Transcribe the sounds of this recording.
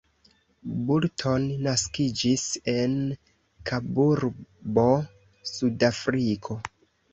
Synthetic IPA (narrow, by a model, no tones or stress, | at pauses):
buɾtʰo̞nːaskid͡ʒise̞n | kʰabuɾbo̞ | sudafɾikʰo̞